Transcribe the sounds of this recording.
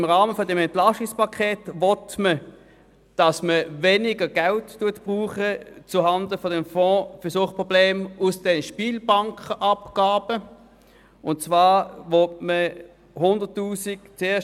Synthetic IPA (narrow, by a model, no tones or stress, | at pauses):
ɪmʁɑːməfɔdɛmɛntlɑʃɪkspʰɑkʰeːtvɔtmə | d̥ɑsməvenɪɡəɡ̥alttuɐtb̥ʁuːχət͡suhɑndəfɔdɛmfɔ̃ːfəɐsuəχpʁobleːmʊsd̥ɛnəʃpiːlbɑŋkəʔɑpɡ̥aːbə | ʊntt͡svaːvɔtmə | hʊndətːuːsikt͡seːɐʃ